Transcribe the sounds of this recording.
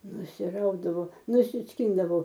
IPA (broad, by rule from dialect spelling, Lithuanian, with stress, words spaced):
nʊsʲɪˈrɐʊdɐʋoː nʊsʲɪsʲˈkʲɪndɐʋoː